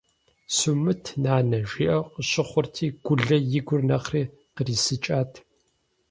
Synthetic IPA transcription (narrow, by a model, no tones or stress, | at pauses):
sumɨtʰnaːnɐʒiːʔɐwqəɕɪχʷʊrtʰiːɡ̥ʷʊɮɐjɪɡʷʊrnɐχriː | qəriːsɨt͡ʃʼaːtʰ